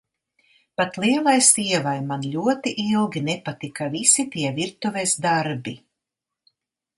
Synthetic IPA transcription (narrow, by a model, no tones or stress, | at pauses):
pat̪lˠiɛlˠajsiɛvajmanlʲuɔt̪iʔilˠɡʲinɛpat̪ikavisit̪iɛviɾt̪uvɛsd̪aɾbi